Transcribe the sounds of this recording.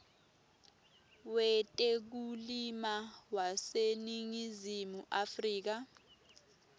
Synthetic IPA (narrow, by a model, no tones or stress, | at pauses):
wɛtʼɛk̬ulimawaseniŋizimuʔafriːk̬a